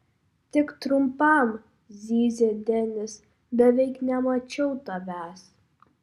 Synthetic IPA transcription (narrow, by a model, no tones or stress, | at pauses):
t̪ʲɪkt̪ɾʊmpɐm | zʲiːzʲeːd̪ʲɛnʲɪs | bʲɛʋʲɛɪknʲɛmɐt͡ʃʲɛʊt̪ɐʋʲæːs